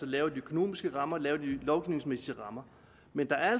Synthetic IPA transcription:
sɒlɛːʊɐdiøkʰo̝no̝̰ːmisɡ̥əʁɑ̈mɐlɛːʊɐd̥ilɒʊɡ̥iʊne̝ŋsmesiəʁɑ̈mɐ | mend̥ɑ̈æɐæ

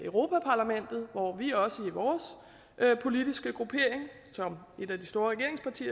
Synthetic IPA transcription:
øʊʁo̝ːpʰæpʰɑ̈ːlæmen̰d̥ð̞̩ˠʋɒʋiɒ̽səiʋɒːs | ʔpʰo̝lid̥isɡ̥əɡ̥ʁupʰe̝ɐ̰e̝ŋsɒ̽m | e̝d̥æd̥isd̥o̝ːɐʁɛɡ̥e̝ɐe̝ŋspʰɑ̈t͡sʰḭː

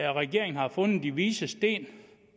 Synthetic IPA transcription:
ɒʁɛɡ̥e̝ɐeŋn̩hɑ̈fɔ̽nð̩ˠd̥iʋiːsəsd̥e̝̰ːn

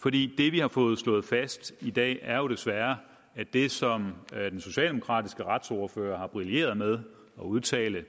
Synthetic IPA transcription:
fɒ̽d̥ḭːd̥e̝ʋihɑ̈fɔ̽ːð̞̩ˠslɔ̰̽ːð̩ˠfæsd̥id̥ɛ̰ːæɐjo̝ɾ̥e̝sʋæɐ | æd̥e̝sɒ̽md̥enso̝ɕɛ̰ːld̥emokʰʁɑ̰̈ːd̥isɡ̥əʁɑ̈d̥sɔːɐfø̰ːɐhɑ̈b̥ʁilje̝̰ːɐð̞̩ˠmeð̞ˠ | ɒ̽uð̞ˠt͡sʰɛ̰ːlə

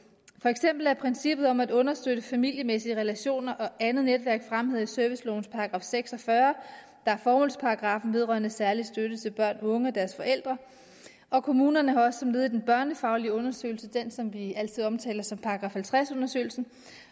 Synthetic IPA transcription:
fɒ̽eɡ̥sem̰b̥l̩ˠæɐpʰʁɛnsib̥ð̩ˠɒ̽mæd̥ɔ̽nɐsd̥øɾ̥əfæmil̰jəmesiəʁɛlæɕo̝̰ːnɐʔɒ̽ʔænð̩ˠned̥ʋæɐɡ̥fʁamɦe̝ð̰ˠisœɐʋislɔʊn̩spʰɑ̈ɑɡ̥ʁɑ̈ːfseɡ̥sɒ̽fɶɐ | d̥ɑ̈æɐfɒːmo̝lspʰɑ̈ʁɑɡ̥ʁɑ̈fn̩ʋe̝ð̞ˠʁɶ̰ɐnəsæɐlisd̥øɾət͡sʰe̝lb̥ɶɐ̰nɔ̽ŋəɒd̥æɐsfɒ̽ʔel̰d̥ʁɐ | ʔɒ̽kʰo̝muːnɐnəhɑ̈ɒ̽sə̥sɒ̽mle̝ðˠidenb̥ɶɐnəfɑ̈ʊliəɔ̽nɐsø̰ɪlsəd̥en̰sɒ̽mʋiæl̰t͡sʰið̞ˠɒ̽mt͡sʰɛ̰ːlɐsɒ̽mpʰɑ̈ɑɡ̥ʁɑ̈fhælt͡sʰʁasɔ̽nɐsø̰ːl̩sn̩

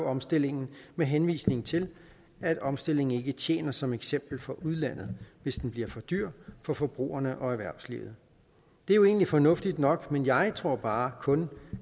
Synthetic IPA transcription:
ɒ̽msd̥e̝l̰e̝ŋn̩meɦenʋḭːsne̝ŋ̩t͡sʰe̝l | æd̥ɒ̽msd̥e̝l̰e̝ŋn̩e̝ɡ̥ət͡ɕʰjḛːnɐsɒ̽meɡ̥sem̰b̥l̩fɒ̽ʔuð̞ˠlæn̰ð̩ˠʋe̝sd̥enb̥liɐfɒ̽d̥yɐ̰fɒ̽fɒ̽b̥ʁṵːɐnəʔɒ̽æɐʋæɐslḭʊð̞̩ˠ | d̥e̝æɐjo̝e̝̰ːnlifɒ̽nɔ̽fd̥id̥nɒ̽ɡ̥menjɑ̈ɪt͡sʰʁo̝ɐ̰b̥ɑ̈ːkʰɔ̽n

